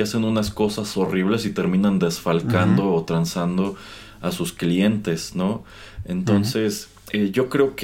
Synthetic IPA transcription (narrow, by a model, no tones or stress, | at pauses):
ase̞nunasko̞saso̞riβ̞le̞sit̪e̞ɾmĩnand̪e̞sfalkand̪o̞ːt̪ɾansand̪o̞ | asusklie̞nt̪e̞sno̞ | e̞nt̪o̞nse̞s | eʝo̞kɾe̞ok